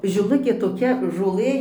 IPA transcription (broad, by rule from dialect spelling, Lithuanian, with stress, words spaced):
ʒʲɪˈlˠʊkʲeː toːˈkʲɛ ʒoːˈlˠɘ